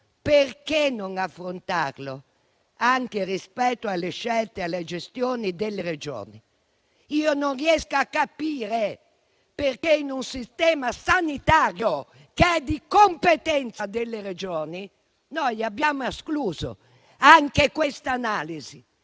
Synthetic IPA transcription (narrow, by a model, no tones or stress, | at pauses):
perkenoŋafːɾont̪arlo | aŋkerispɛt̪ːoalːeʃːɛlt̪ealːed͡ʒest̪joːnid̪elːered͡ʒo̰ːni | iːononriɛskoakːapiːɾe | perkeinunsist̪ɛːmasanit̪aːɾjo | keɛd̪ikompet̪ɛnt̪sad̪elːeɾed͡ʒɔːni | nɔjabːjaːmoeskluːzo̰ | aŋkekwest̪anaːlizi